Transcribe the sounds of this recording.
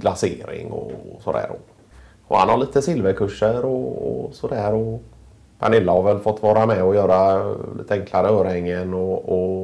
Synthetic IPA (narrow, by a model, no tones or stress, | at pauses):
laseːɾɪ̰ŋɔ̰sɔd̪æ̰ːɾɔ | ɔ̰ha̰nhaɭiːt̪əsɪlvəkʰɵʂːəɾɔɔ̰sɔd̪æːɾɔ | pʰa̰nɪlːahavɛlːfɔt̪ːvɑːɾamɛɔjœːɾalḭːt̪əɛŋklaɾəœːɾɛŋːənɔɔ